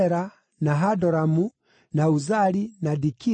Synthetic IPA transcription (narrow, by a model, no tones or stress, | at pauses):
ɛɾa | naɦadɔɾamu | nauzalinadiki